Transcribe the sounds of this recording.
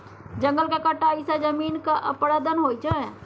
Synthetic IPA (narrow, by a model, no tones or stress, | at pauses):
d͡ʒə̃ŋɡəlkakəʈaisad͡ʒəmiːnkaʔəpɽad̪ənɦoːit͡ʃəɛ̃